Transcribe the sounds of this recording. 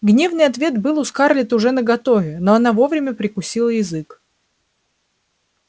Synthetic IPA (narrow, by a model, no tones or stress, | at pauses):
ɡnʲe̞vnɨjɐt̪vʲe̞t̪bɨlˠʊskarlʲɪt̪əʊʐɛnəɡɐt̪ovʲɪnoɐnavo̞vɾʲɪmʲəpɾʲɪkʊsʲilˠəjɪzɨk